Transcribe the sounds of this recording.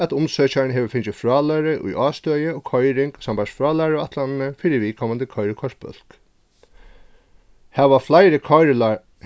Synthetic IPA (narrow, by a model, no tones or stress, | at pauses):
at̪ʊmsœːt͡ʃaɹɪnɦɛʋəfɪnt͡ʃɪfɾɑːlaɾɪʔʊ̰jʔɑːst̪œːjɪɔːkʰɔjɾɪŋksampasfɹɑːlaɾɔat̪ʰlanɪnɪfiɾɪʋiːkʰɔmant̪ɪkʰɔjɾɪkʰɔʂt̪̚pœ̰l̥k | hɛʋaflajɾɪkʰɔɾ